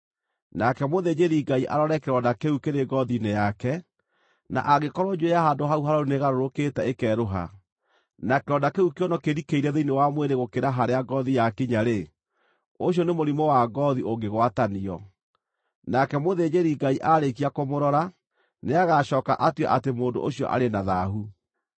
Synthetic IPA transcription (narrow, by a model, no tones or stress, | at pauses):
nakɛmoðed͡ʑeɾiɡaiʔa̰ɾɔɾɛkeɾɔndakeukeɾeɡɔðinejakɛ | na̰ʔaɣekɔɾɔd͡ʒuejaɦandoɦauɦaɾauneɣaɾoɾoketɛekɛɾoɦa̰ | nakeɾɔdakeukeɔnɔkeɾikeiɾɛðeinewamweɾeɣokeɾaɦaɾeaɡɔðijakiɲaɾe | oɕ̬jɔnemoɾimɔwaɡɔðiʔoɡeɣwataniɔ̰ | nakɛmoðed͡ʑeɾiɡaiʔaɾek̬iakomoɾɔɾa | neaɣaɕɔːka̰ʔatwɛ̰ʔatemoːndo̰ʔoɕiɔ̰ʔa̰ɾenaðaɦu